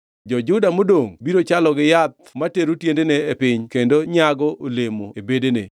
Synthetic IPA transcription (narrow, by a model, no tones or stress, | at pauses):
d͡ʒɔd͡ʒʊdamodoŋbiɾot͡ʃalɔɡɪjat̪̚mateɾutjendeneːpɪɲkendoɲaɡɔʔolemoebedenḛ